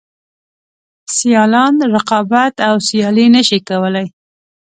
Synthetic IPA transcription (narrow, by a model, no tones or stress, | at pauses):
sijɑlɑnɾɪqɑbat̪awsjɑlinəʃikawəlaj